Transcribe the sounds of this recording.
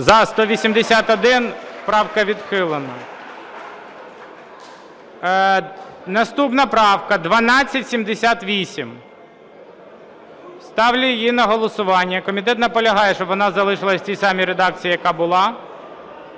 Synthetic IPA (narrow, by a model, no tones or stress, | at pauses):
zɐst̪ɔʋʲisʲimd̪esʲat̪ɔd̪ɪnpɾɑwkɐʋʲid̪xɪlˠenɐ | nɐst̪upnɐpɾɑwkɐd̪ʋɐnɑt͡sʲːɐtʲsʲimd̪esʲat̪ʋʲisʲim | st̪ɑwlʲijinɐɦɔlˠɔsʊʋɑnʲːɐkɔmʲit̪ɛt̪nɐpɔlʲɐɦɑjɛʃt͡ʃɔbʋɔnɑzɐlˠɪʃɪlˠɐsʲtʲijsɑmʲiɾed̪ɑk̚t͡sʲijijɐkɑbʊlˠɑ